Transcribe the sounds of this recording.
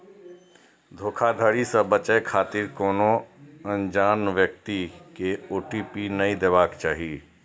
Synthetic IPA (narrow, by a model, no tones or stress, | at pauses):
d̪ʱoːkʰad̪ʱəɾisɐbət͡ʃəekʰaːt̪ɪɾkoːnoə̃nd͡ʒaːnʋjək̚t̪ikeoːʈiːpinɐĩd̪eʋaːkt͡ʃaːɦie